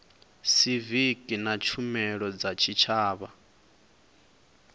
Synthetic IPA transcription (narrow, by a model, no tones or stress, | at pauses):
sivikʼinat͡ʃʰumɛɺɔd͡zat͡ʃʰit͡ʃʰaːβa